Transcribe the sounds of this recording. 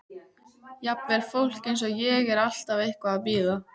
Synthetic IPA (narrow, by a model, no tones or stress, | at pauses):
japnvɛɾ̥fowl̥cɪns̬aðjɛɣɛɾal̥t̪avejhkvaːðpiːða